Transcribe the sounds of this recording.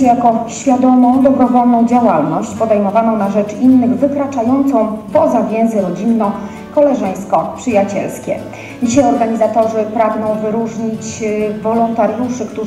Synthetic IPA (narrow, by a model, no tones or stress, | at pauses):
ɛjakɔɕfʲjad̪ɔlnɔ̃w̃d̪ɔbɾɔvɔlnɔ̃w̃d͡ʑawalnɔɕt͡ɕpɔd̪ɛjmɔvanɔ̃w̃naʐɛt͡ʂinːɘɣvɘkɾat͡ʂajɔnt̪sɔ̃w̃pɔzavʲjɛ̃ñzɛɾɔd͡ʑinːɔ | kɔlɛʐɛj̃skɔpʂɘjat͡ɕɛ̰lskʲɛ̰ | d͡ʑiɕajɔɾɡaɲizat̪ɔʐɘpɾaɡnɔ̃w̃vɘɾuʐɲit͡ɕvɔlɔnt̪aɾjuʂɘkt̪u